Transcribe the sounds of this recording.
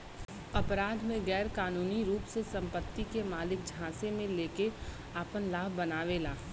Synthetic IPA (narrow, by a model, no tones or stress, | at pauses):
ɐpɾaːd̪ʱmẽɡɛːɾkaːnuːniɾuːpsesɐ̃mpət̪ːikemaːlɪk̚d͡ʒʱãːsemẽleːke | aːpənlaːbbənaːʋelaː